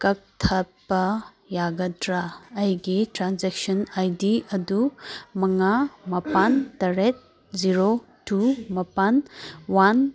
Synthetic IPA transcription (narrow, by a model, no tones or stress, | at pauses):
kɐk̚tʰɐt̚bɐ | jaɡɐdɾaːjɡitɾanzɛk̚sɔnajdiɐdumɐŋamɐpantɐɾet̚ | ziɾo | tumɐpanwan